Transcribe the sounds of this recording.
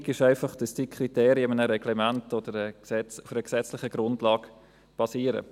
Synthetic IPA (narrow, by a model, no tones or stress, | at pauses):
ɡɪʃaɪfɑχd̥əsd̥iːkʰriteːɾiɪmənəɾɛɡ̥lɛmæntɔdəɾəsɛt͡sufəɾəksɛt͡slɪχəɡ̥ɾʊndlɑːɡ̥ | b̥ɑsiːəɾə̰